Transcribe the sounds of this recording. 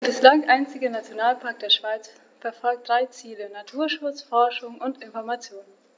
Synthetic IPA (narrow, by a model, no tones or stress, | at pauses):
b̥ɪslaŋʔaɪnt͡sɪɡənat͡sjonaːlpʰaɐk̚d̥eːɐʃv̥aɪt͡s | fɛɐfɔlk̚td̥ʁaɪt͡siːlənatʰuːɐʃʊt͡sfɔɐʃʊŋʔʊntɪnfɔɐmat͡sjoːn